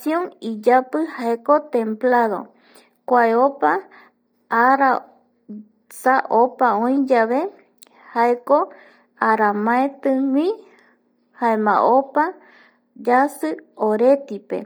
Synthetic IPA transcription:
sjõŋid͡ʒapɨhaekot̪ẽmplaðo̞̰ | kʷaeopa | aɾa | saʔopaõj̃d͡ʒaβe | haeko | aɾamãet̪ɨ̃wĩ | haemã̰ʔopa | d͡ʒasɨoɾe̞t̪ipe̞̰

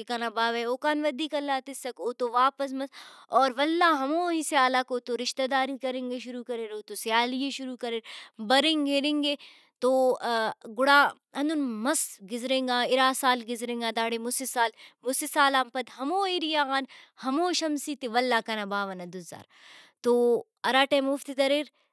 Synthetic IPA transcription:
kekɐnabaːʋɐoːkaːnʋɐd̪iːkɐlːaːt̪ɪsɐkoːt̪oʋaːpɐs̬mɐsɔːɾʋɐlːaɦɐmoːɦisɪaːlakoːt̪oɾɪʃt̪ɐd̪aːɾikɐɾẽːŋɡeʃʊɾukɐɾeːɾoːt̪osɪjaːlijeʃʊɾuːkɐɾeːɾbɐɾẽːŋɡeːɾẽːŋɡe | t̪o | ɡʊɽaː | ɐ̃nd̪ʊnmɐsɡɪzɾẽːŋɡaːɪɾaːsaːlɡɪzɾẽːŋɡad̪aːɽemʊsisaːlmʊsisaːlampɐd̪ɦɐmoːiɾijaaːnhɐmoːʃɐmsit̪eʋɐlːaːkɐnabaːʋɐnɐd̪ʊzːa̰ːɾ | t̪oː | ɐɾaːʈeːmʊft̪id̪ɐɾeːɾ

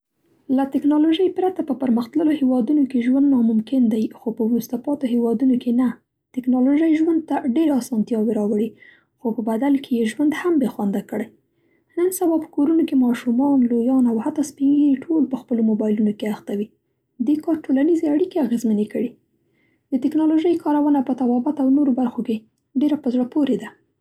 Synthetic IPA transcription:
lat̪ɪknɑloʒəjpɾat̪apəpəɾməxt̪ləlohewɑd̪unokeʒwand̪nɑmʊmkɪnd̪ajxopəwɾust̪apɑt̪oɦewɑd̪unokʰena | t̪ɪknɑloʒəjʒwand̪̚t̪aɖeɾɑsɑnt̪jɑweɾɑwəɽi | xopəbad̪alkejeʒwand̪hambexwand̪akəɽaj | nənsabɑpə̥koɾunokemɑʃumɑnlojɑnawhat̪ːɑspiɡiʈʰolpəxpəlomobɑjlunokeaxt̪awi | d̪ekɑɾʈolanizeaɽikeaɣezmənekəɽi | d̪̥ət̪ɪknɑloʒəjkɑɾawənapət̪abɑbat̪awnoɾobaɾxoke | ɖeɾapəzɽəpoɾed̪a

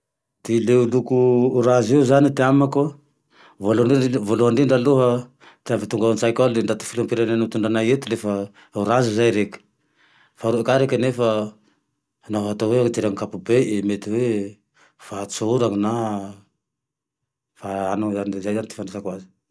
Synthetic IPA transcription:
t̪ileulukuːɾaziuzanit̪eamako | voloɳvoluɦaɳɖ͡ʐiɳɖ͡ʐaluɦa | t̪eamvit̪uŋɡansajkald̪eɳdat̪u̥filampiɾananut̪unɳɖ͡ʐanajet̪ulefa | wɾazizajɾeki̥ | faɾuekaɾekanefa | naɦat̪awet̪iɾaŋkapubeemet̪iwe | fat͡soɾaŋna | faanozanizajzant̪i̥fandesakwazi̥

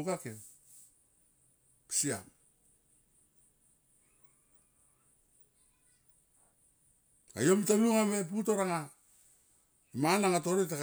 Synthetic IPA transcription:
kakem | pi̥sia̰m | a̰jo̞mtaluŋamep̬uto̞ɾaŋa | imanaŋat̬o̞ɾit̬ak

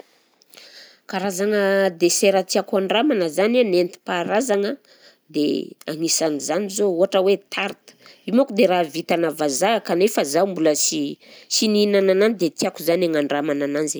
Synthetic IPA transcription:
kaɾazaŋəd̪eseɾət̪iakuaɳɖ͡ʐamanəzananent̪i̥paɾazaŋə | d̪ḛaŋisanizanizouɦaʈ͡ʂəwet̪ʰaɾt̪ə̥imakud̪eɾavit̪anavazakanefazawmbuləsisininanananid̪et̪iakuzaneŋaɳɖ͡ʐamanananze

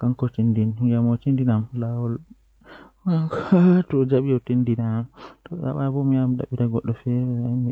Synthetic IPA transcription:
kaŋkɔtindiniɡamot͡ʃindinamlawɔl | ŋktɔd͡ʒaɓijɔtindinatɔɗa̰ɓabɔmijamiɗa̰ɓitaɡɔɗːɔfɛɾɛami

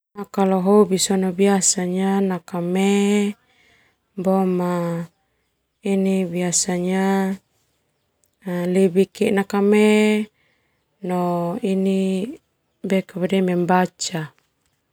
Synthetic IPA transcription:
akaloɦobisɔnobiasaɲanakame | boma | inibiasaɲa | libikɛnakame | noini | bekabadɛmɛmbat͡ʃa

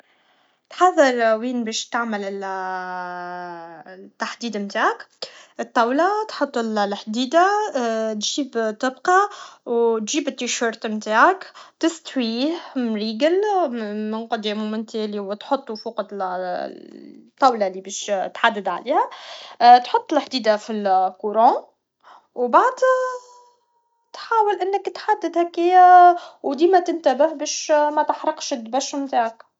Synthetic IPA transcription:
t̪ħɑðˤːɑɾˤwiːnbɛːʃt̪aʕməlɪl | t̪ːaħd̪iːd̪mt̪aːʕakʔət̪ˤːɑwlat̪ħʊt̪ˤːɪllħd̪iːd̪at̪ʒiːbt̪əbqɑwt̪ʒiːbɪt̪ːiʃəɾt̪mt̪aːʕakt̪ɪst̪wiːhmɾiːɡəlmɪnqɑd̪ɛːmumɪnt̪ɛːliwɪt̪ħot̪ˤːufuqɑd̪ | t̪ˤːɑwlalːibɛːʃt̪ħad̪ːɪd̪ʕa̰liːhæ | t̪ħʊt̪ˤːlħd̪iːd̪afilkuɾˤɑ̃ | wbaʕd̪ | t̪ħaːwəlʔɪnːəkt̪ħad̪ːɪd̪hækːɪjæwd̪iːmæt̪ɪnt̪æbɪhbɛːʃmæt̪əħɾˤɑqʃd̪bæʃmt̪aːʕak

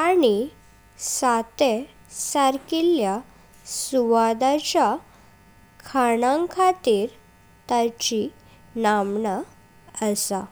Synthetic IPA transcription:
ani | sat̪e | saɾkilja | suʋad̪at͡ɕja | kʰanãŋkʰat̪iːɾ | t̪at͡ɕi | namɳə | əsa

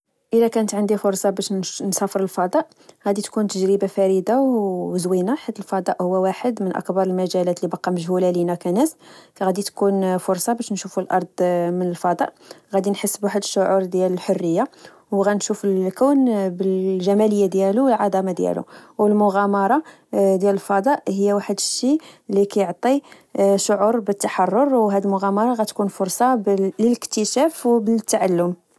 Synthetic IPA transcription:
ʔəlækænət̪ʕənd̪ifʊɾsˤɑbæʃnsɑfəɾˤəlfɑd̪ˤɑʔ | ɣæd̪it̪kunt̪əʒɾəbafæɾəd̪awəzwinaħad̪əlfɑd̪ˤɑʔhʊwːæwaħəd̪mənʔɑ̰kbɑɾˤəlmæʒælæt̪libɑqːɑməʒhulælinækænæskɣæd̪it̪kunfʊɾˤsˤɑbæʃnʃufulʔɑ̰ɾˤd̪ˤmənəlfɑd̪ˤɑ̰ʔ | ɣæd̪inħəsːbwaħəd̪əʃːʊʕuɾˤd̪jæləlħorːəjːa | wɣænʃufəlkæwnbəlʒæmæləjːad̪jæluwəlʕɑd̪ˤɑmad̪jæ̰lṵwəlmʊɣæmɑɾˤɑ | d̪jæləlfɑd̪ˤɑʔhəjːæwaħəd̪əʃːilːikæjoʕt̪ˤi | ʃʊʕuɾbət̪ːaħɑrˤːoɾˤwɦæd̪əlmʊɣæmɑɾˤɑɣæt̪kunfʊɾˤsˤɑblələkt̪əʃæfwbət̪ːaʕalːʊm

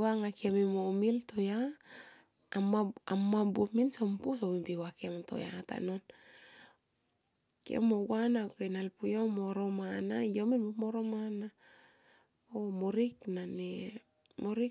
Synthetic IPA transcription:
aŋakememomilto̞ja | amaamːabupminsompusowimpiwakemto̞̰ja̰ta̰non | kḛmoɡwanakenalpujomoɾo̞manajomilmomoɾomana | omoɾiknane | moɾi

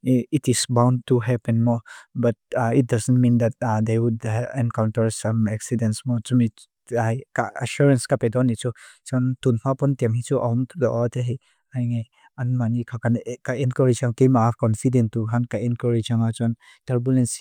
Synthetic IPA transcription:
itisbãw̃ntːuɦɛpɛ̃nmɔbɐt̚it̚dɐzənmĩnd̪ɛt̚d̪ewudɛ̃nkawntəɾsɐ̃mɛksidɛ̃nsmɔt͡ʃumi | ajkaaʃuɾɛ̃nskapedɔnit͡ʃut͡ʃɔntunmapɔnt̪ɛmhit͡ʃuʔamt̪ʰudɔʔɔt̪eɦej | ajŋaj | anmanikʰakankaɛnkɔɾid͡ʒaŋkejmakɔnfidɛ̃ntːuɦankaɛ̃nkɔɹid͡ʒaŋat͡ʃɔn | tɐɾbulɛ̃ns

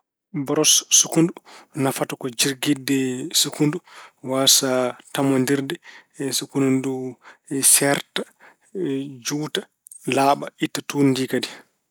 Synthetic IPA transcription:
bɔɾɔsːukundunafatɔkɔd͡ʒiɾɡidːɛsukunduwasatamondiɾdɛsukundundu | sɛɾta | d͡ʒuːta | laːɓaitːatundiːkadi

